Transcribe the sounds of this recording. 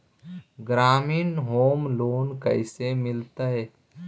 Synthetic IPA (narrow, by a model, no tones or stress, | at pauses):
ɡɾaːmiːnɦoːmloːnkəɪsemɪlt̪aɦɛː